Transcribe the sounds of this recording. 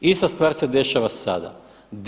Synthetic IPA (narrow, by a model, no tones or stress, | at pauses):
ist̪ast̪vaːɾsed̪e̞ʃaʋasa̰d̪a̰ | d̪